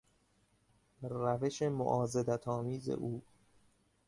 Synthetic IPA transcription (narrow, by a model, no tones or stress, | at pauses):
ræve̞ʃe̞mo̰ʔɒːzed̪æt̪ʰɒːmiːzḛʔuː